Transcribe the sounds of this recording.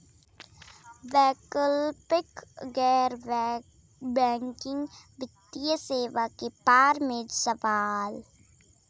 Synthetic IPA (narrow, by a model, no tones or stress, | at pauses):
ʋɛːkəlpɪkɡɛːɾ | bɛ̃ːŋkɪ̃ŋɡbɪt̪ːijəseːʋakepaːɾmẽd͡ʒsɐʋaːl